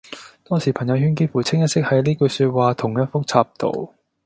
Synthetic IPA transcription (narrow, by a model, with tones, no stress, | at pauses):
t̪ɔː˥ŋsiː˨˩pʰɐ˨˩ŋjɐ˧whyː˥nk̬i˥fuː˨˩t͡sʰɪ˥ŋjɐ˥t̚sɪ˥k̚hɐ˨˧˥jliː˥kɵ˧syː˧t̚waː˨t̪ʰʊ˨˩ŋjɐ˥t̚fʊ˥k̚t͡sʰaː˧p̚t̪o̰˨w